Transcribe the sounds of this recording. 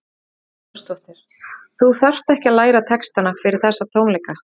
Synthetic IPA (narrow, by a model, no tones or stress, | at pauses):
st̪ɔht̪ɪɾ̥ | θuθœr̥t̪ɛhcɪalaːjɾat̪ʰɛkst̪anafɪɾɪɾ̥θɛsːat̪ʰoːwmlejka